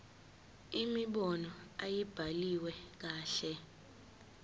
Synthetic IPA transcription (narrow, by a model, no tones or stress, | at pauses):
imiɓɔnɔajib̥ʱaliwɛk̬aːɬɛ